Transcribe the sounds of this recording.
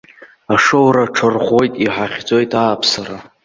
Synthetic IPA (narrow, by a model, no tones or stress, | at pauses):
aʂowɾaʈ͡ʂʰarʁʷojtʼiħaχʲd͡zʼo̞jtʼaːpʰsaɾa